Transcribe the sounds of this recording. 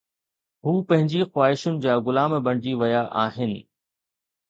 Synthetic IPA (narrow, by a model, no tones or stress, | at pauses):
ɦuːpɐ̃ɦɪ̃ɲd͡ʑixwaːɦɪʃʊnɪ̆d͡ʑaːɣʊlaːmbɐɽ̃ɪd͡ʑiʋɐjaʔaːɦɪnɪ̆